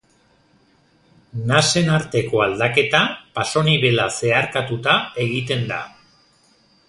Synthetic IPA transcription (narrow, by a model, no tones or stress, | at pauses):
nase̞naɾt̪e̞ko̞ald̪ake̞t̪apaso̞niβ̞e̞lase̞aɾkat̪ut̪ae̞ɣit̪e̞nd̪a̰